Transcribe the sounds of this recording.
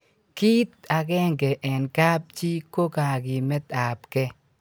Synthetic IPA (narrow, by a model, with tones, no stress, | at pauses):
ki˦t̪a˨ɡɛ˦ŋɡɛ˨ʔɛ˨nka˦p̚t͡ʃi˦ko˦ka˨ɡɪ˨mɛ˦t̪a˨pkɛ˦